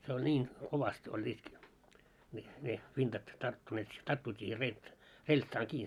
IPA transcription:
se olʲ nʲiːn koʋɑst olʲːiːt mil ne ʋintɑt tɑrtːuneːt tɑrtːuit siːhe relʲt relʲtsɑːŋ kiː

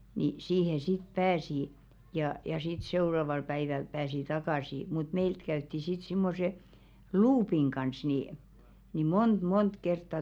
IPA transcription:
ni siːhe sit pæːsi jɑ jɑ sit seu̞rɑʋɑl pæiʋæl pæːsi tɑkɑˑsi mut meilt kæytːi sit simːose luːpiŋ ɡ̊ɑns ni ni mont mont kertːɑ

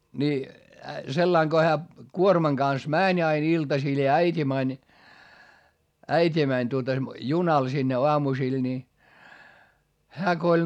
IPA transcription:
ni selːɑiŋ ɡ̊o hæː kuormɑŋ ɡ̊ɑns mæˑnʲ ɑin iltɑsil jɑ æitʲi mænʲ æitʲi mænʲ tuotɑ junɑl sinːe oɑmusil ni hæː ko olʲ

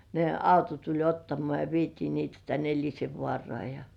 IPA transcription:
ne ɑuto tulʲ otːɑmoɑˑ jɑ ʋietiː niːtæ tæn elʲiseʋːŏɑˑrŏɑˑ jɑ

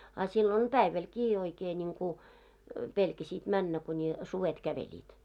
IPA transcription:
ɑ silːon pæiʋælkiː oikeː niŋku pelkæsiːt mænːæ kunʲi suʋet kæʋelʲiːt

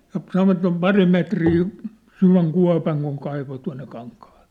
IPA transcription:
jɑ sɑnoʋɑt se om pɑri metriː syʋæŋ kuɑ̝pɑŋ kuŋ kɑiʋo tuɑ̝nːe kɑŋkɑhɑ̥l̥ˑe̥

